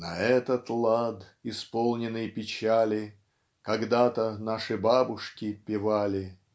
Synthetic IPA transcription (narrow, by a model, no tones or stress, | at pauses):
nɐɛt̪ət̪lˠad̪ɪspolˠnʲɪnːɨjpʲɪt͡ɕalʲɪ | kɐɡd̪at̪ənaʂɨbabʊʂkʲɪpʲɪvalʲɪ